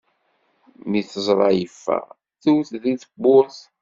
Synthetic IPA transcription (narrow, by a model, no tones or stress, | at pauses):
miθəzˤɾˤɑjəfːæ̰ | θuwθðiθəbːʊɾθ